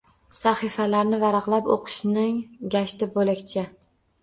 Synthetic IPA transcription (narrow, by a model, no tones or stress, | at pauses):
saχifalaɾnɪvaɾɑqlˠapo̰qʰʊ̥ʃnɪŋɡʲaʃt̪ɪbolakʲt͡ʃʰɪ